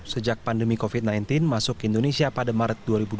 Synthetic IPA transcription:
səd͡ʒak̚pandəmikofit̪̚najnt̪ɪnmasʊkindonesiapadamaɾət̪̚duaɾibud

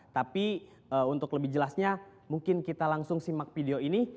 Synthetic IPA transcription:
t̪api | əunt̪ʊkləbɪhd͡ʒəlasɲamuŋkɪnkit̪alaŋsʊŋsimak̚fideoini

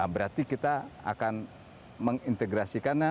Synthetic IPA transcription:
bəɾart̪ikit̪aa̰kan | məŋint̪eɡɾasikanɲa

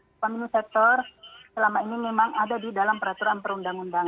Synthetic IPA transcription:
paminisɛk̚t̪ɔrsəlamainimemaŋadadidalampəɾat̪uɾanpəɾundaŋundaŋ

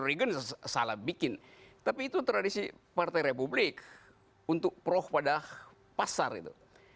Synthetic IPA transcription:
ɾiɡənsalahbikɪnt̪apiːt̪ut̪əɾadisipart̪ajɾepublɪk | unt̪ʊk̚pəɾɔhpadah | pasarḭt̪ṵ

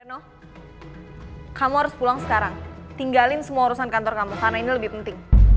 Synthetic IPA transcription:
ɛnɔh | kamuɦaɾʊspulaŋsə̥kaɾaŋt̪iŋɡalɪnsəmuauɾusankant̪ɔrkamukarnainiləbɪhpənt̪ɪŋ

